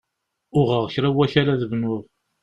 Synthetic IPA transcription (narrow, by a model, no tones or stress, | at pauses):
ʊʁəʁçɾæwːæçaɾaðəvnʊðˤ